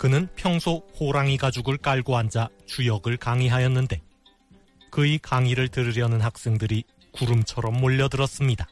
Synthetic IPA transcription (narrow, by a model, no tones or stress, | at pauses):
kɯnɯnpʰjʌŋsʰohoɾaŋiɡad͡ʑuɡɯɭk͈aɭɡoɦand͡ʑa | t͡ɕujʌɡɯɭkaŋiɦajʌnːɯnde̞ | kɯikaŋiɾɯɭtɯɾɯɾjʌnɯnɦak̚s͈e̞ŋdɯɾi | kuɾɯmt͡ɕʰʌɾʌmːoʎːʌdɯɾʌs͈ɯmɲida